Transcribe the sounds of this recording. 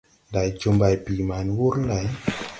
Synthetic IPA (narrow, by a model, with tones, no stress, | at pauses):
da˨jt͡ʃo˧mba˨˧˨jpi˨ma˨˦nwu˦ɾn˦la˨˦j